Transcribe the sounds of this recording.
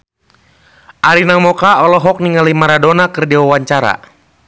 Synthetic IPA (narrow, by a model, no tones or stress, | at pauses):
ʔaɾinamɔkaɔlɔɦɔk̚niŋalimaɾadɔnakərdiwawaɲt͡ʃaɾa̰